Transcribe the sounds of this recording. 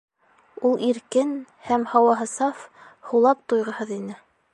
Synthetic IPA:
ulˠiɾkɘn | hæmhɑwɑɦɤ̆sɑf | hulˠɑp̚t̪ujʁɤ̆hɤðinɘ

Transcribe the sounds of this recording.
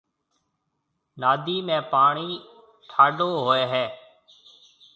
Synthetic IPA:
naːd̪iːmẽːpaːɳiː | ʈʰaːɖoːɦoːeːɦɛː

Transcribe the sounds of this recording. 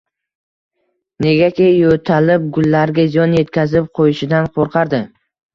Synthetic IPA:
ne̞ɡʲakʲejot̪ʰalɪp̚ɡʊlːaɾɡʲazijɒnje̞t̪kʲʰazɪp̚qʰojɪʃɪd̪anqʰoɾqʰɑɾd̪ɪ

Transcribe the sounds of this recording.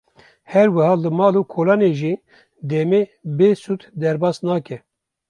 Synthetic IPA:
hɛɾwɛhɑːlɨmɑːloːkʰoːlɑːneʒiː | d̪ɛmeːbeːsut̪ʰd̪ɛɾbɑːsnɑːkɛ

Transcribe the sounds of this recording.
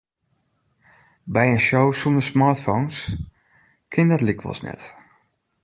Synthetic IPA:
bɛjənʃowsundəsmaːɹtfons | kʰɪndɔtlikʰʋɔ̰lˠsnɛ̰t

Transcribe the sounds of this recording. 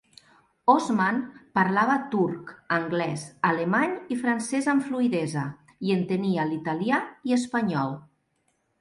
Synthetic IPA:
ozmanpaɾlaβət̪uɾkəŋɡlɛzalemaɲifɾansɛzəɱfluiðɛzə | iənt̪ənialit̪aliaiəspaɲɔlˠ

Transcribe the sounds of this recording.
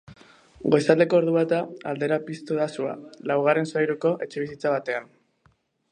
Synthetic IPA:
ɡo̞jsald̪e̞ko̞oːɾðuβat̪aa̰ld̪e̞ɾapist̪oðasua̰lawɣ̞aɾe̞nsajɾuko̞ʔe̞t͡ʃe̞β̞isit͡saβat̪e̞an

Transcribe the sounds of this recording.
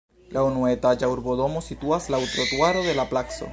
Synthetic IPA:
lʔaunuet̪ad͡ʒauɾboðo̞mosit̪uaslawt̪ɾot̪waɾoðe̞laplakso̰

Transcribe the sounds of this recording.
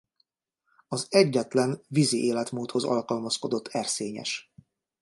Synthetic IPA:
ɒzɛɟːɛt̪lɛnviziʔeːlɛt̪muːt̪ho̞zɒ̰lkɒlmɒsko̞d̪o̞t̪ʰːɛrseːɲɛ̰ʃ

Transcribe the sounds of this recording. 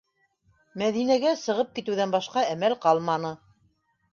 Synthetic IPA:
mæðinæɡæsɤ̆ʁɤp̚kit̪ɘ̆wðænbɑʃqɑæmælqɑlˠmɑnɤ

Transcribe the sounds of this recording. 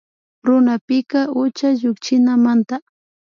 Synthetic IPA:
ɾʊnapɪkaʊt͡ʃaʒʊkt͡ʃɪnamant̪a

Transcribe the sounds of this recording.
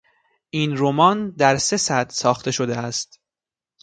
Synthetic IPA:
ʔiːnɾo̞mɒːnd̪æɾse̞sæd̪sɒːxt̪ʰe̞ʃo̞d̪eæst̪

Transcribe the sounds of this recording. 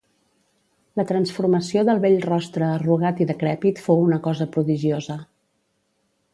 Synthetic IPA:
lət̪ɾənsfuɾməsioðəlˠβeʎrɔst̪ɾəːruɣ̞at̪iðəkɾɛpit̪fowunəkɔzəpɾuðiʒiozə

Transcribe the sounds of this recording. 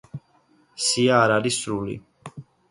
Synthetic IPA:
siaːɾaɾisɾulḭ

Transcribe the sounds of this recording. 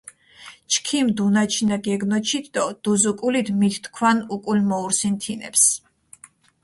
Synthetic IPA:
t͡ʃʰkʰimd̪unat͡ʃʰinaɡɛɡnɔt͡ʃʰit̪d̪ɔd̪̥uzukʼulid̪mit̪ʰt̪kʰwanukʼulmɔuɾsint̪ʰinɛ̰ps

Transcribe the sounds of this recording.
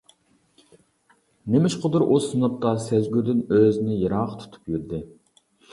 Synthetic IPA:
nemɪʃqʰʊd̪uɾʔosɨnup̚t̪ɑsæzɡʲyɾd̪ɪnøznɪjɑɾɑːqʰt̪ʰu̥t̪ʰu̥pjyɾd̪ɪ

